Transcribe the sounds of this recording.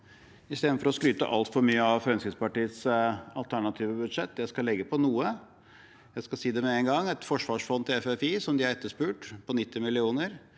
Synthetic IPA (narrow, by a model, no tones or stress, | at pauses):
ɪst̪eːd̪nfɔɾɔskɾyːt̪ə̰ʔɑ̰lt̪fɔɾmyːəɑʋfɾœnsɪspɑʈiːət̪sɑ̰lt̪ʰæɳɑt̪ʰiːʋəbʉd̪ʂɛt̪ːjæɪskɑlːɛɡːəpʰɔnuːə | jæɪskɑsiːd̪ɛmɛɛŋɡɑŋːɛt̪fɔʂʋɑːʂfɔnt̪ʰːɪɛfɛfiːsɔmd̪ɪæɾɛt̪ːəʂpʉːʈpʰɔnɪt̪ːɪmɪlɪuːnəɾ